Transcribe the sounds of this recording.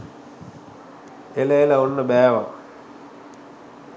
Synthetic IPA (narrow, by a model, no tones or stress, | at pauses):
eləeləonːəbæːʋa